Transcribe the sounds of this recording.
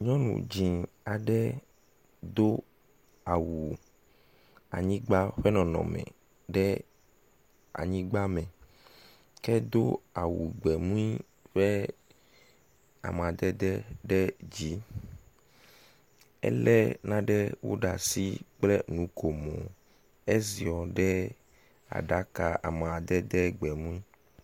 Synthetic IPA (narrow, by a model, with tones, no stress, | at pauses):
ɲɔ̃˦nṵ̃˨d͡ʑĩ˨ | a˨ɖɛ˦ | d̪o˦ | a˨wu˨ | a̰˨ɲĩ˦ɡ͡ba˦ɸɛ˦nɔ̃˨nɔ̰̃˨mɛ̰̃˨ | ɖɛ˦ | a̰˨ɲĩ˦ɡ͡ba˦mɛ̃˨ | kɛ˦d̪o˦a˨wu˨ɡ͡bɛ˨mũ˦i˦ | ɸɛ˦ | a̰˨m˨a˨d̪ɛ˦d̪ɛ˦ɖɛ˦d͡ʑi˨˦ | ɛ̰˦lɛ˦nã˦ɖɛ˦wo̰˦ɖa˨si˦k͡plɛ˦nũ˨˦ko˨mɔ̰̃˨ | e˦zi˨ɔ˨ɖɛ˦ | a̰˨ɖa˦ka˨a̰˨m˨a˨d̪ɛ˦d̪ɛ˦ɡ͡bɛ˨mũ˦i˦